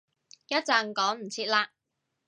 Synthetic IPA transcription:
jɐ˥t̚t͡saː˨˧nkɔː˨˥ŋm̩˨˩t͡sʰiː˧t̚laː˧

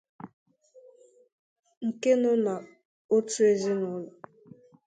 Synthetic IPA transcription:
ŋ̩˨ke˦nʊ˦na˨ | o˦tu˦e˦zi˦nʊ˦lɔ˨

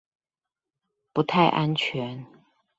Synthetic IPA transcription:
pu˨˦t̪ʰa˥˩ɪʔa˦nt͡ɕʰɥɛ˧˦n

